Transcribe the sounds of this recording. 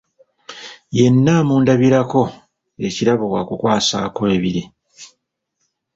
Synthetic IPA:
je̞nːaːmuːndaβiɾako̞ | e̞ciɾaβo̞wakukwaːsaːko̞e̞βiɾi

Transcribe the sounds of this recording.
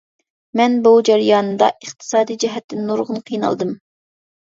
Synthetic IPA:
mɛnbud͡ʒɛɾɨjɑːnɨmd̪ɑ̰ʔəχt̪ʰɨ̥sɑːd̪ijd͡ʒɛɦɛt̪ʰːɪnːoɾʁʊnqʰijnɑ̰lˠd̪ɨm

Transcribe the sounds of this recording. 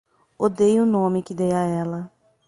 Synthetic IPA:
od̪ejʊnõmɪkɪd̪ejaɛlɐ

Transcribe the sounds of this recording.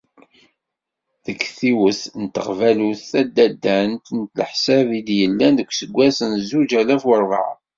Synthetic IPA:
ðəkːθiwəθnt̪ːəqvæluθːæd̪ːæd̪ːænt̪ənt̪ləħsævid̪jəlːænðəkʷːsəɡʷːæsənzud͡ʒælæfwəɾˤvə̰ʕ

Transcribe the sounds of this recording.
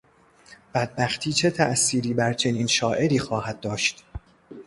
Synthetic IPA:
b̥æd̪̚bæxt̪ʰiːt͡ʃʰe̞t̪ʰæʔsiːɾiːbæɾt͡ʃʰe̞niːnʃɒːʔe̞ɾiːxɒːhæd̪̚ːɒːʃt̪

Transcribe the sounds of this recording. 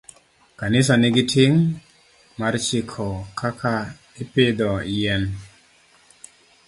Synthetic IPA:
kanɪs̬anɪɡɪtʰɪŋ | mart͡ʃɪkʰɔkʰakʰa | ɪpɪd̪ɔjɛn

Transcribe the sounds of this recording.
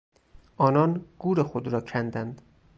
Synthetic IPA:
ʔɒːnɒːnɡ̥uːɾexod̪ɾɒːcʰænd̪ænd̪

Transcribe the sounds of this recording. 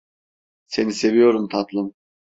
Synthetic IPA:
se̞nise̞vijo̞ɾumt̪ʰat̪lˠɯm

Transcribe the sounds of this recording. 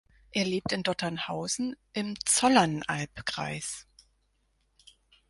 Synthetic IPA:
ʔeːɐleːp̚tɪndɔtʰɐnhaʊzn̩ʔɪmt͡sɔlanʔalpkʁ̥a̰ɪs

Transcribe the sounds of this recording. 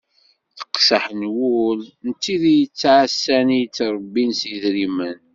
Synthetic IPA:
θə̥qsəħənwulnt̪ːiðijət͡sːaʕəsːænit͡sːɾˤbːinsiðɾimən

